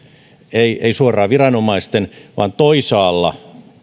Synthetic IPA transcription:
eiʔeisuorˑɑːʋirɑnomɑist̪enʋɑ̰ːnt̪oisɑːlːɑ̰

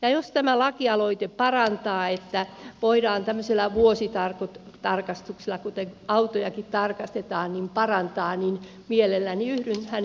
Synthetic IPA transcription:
jɑjost̪æmælɑkiɑloit̪epɑrɑnt̪ɑːet̪ːæʋoidɑːnt̪æmːøselːɑʋuosit̪ɑrkot̪ | t̪ɑrkɑst̪ukselːˑɑkut̪eŋɑut̪ojɑkit̪t̪ɑrkɑst̪et̪ɑːnnimpɑrɑnt̪ɑːnin | mielelːæniyhɾynhæn

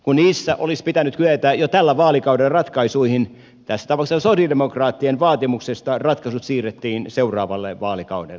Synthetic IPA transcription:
kunniːsːæʔolispit̪ænyt̪kyøt̪æːjot̪ælːæʋɑːlikɑudelrɑt̪kɑisuihin | t̪æsːæt̪ɑpɑkssosiɑdemokrɑːt̪ːienʋɑːt̪imuksest̪ɑrɑt̪kɑsut̪siːret̪ːiːnseurɑːʋɑlːḛʋɑːlikɑ̰udḛlːe

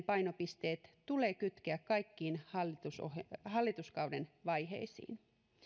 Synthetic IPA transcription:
pɑjnopist̪eːt̪t̪uleːkyt̪keækkɑikːiːnhɑlːit̪uso̰hɑlːit̪uskɑwdenʋɑjɦḛisḭːn

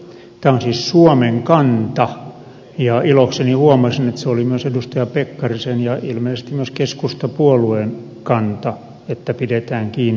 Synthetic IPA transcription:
t̪æːonsiːssuomeŋkɑnt̪ɑ | jɑiloksenihuomɑsinet̪seolimyøsedust̪ɑjɑpekːɑrisenjɑilmeisest̪imyøskeskust̪ɑpuoluen | kɑnt̪ɑ | et̪ːæpidet̪æːŋkiːnː

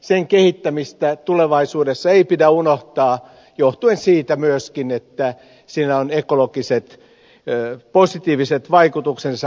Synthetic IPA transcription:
seŋkehit̪ːæmist̪æt̪uleʋɑisuːdesːɑeipidæunoht̪ɑː | joht̪uensiːt̪æmyøskinet̪ːæ | siːnæonekolokiset̪ | posit̪iːʋiset̪ʋɑikut̪uksensɑ

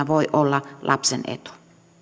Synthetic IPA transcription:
æʋoiʔolːɑlʔɑpsenḛt̪u̥

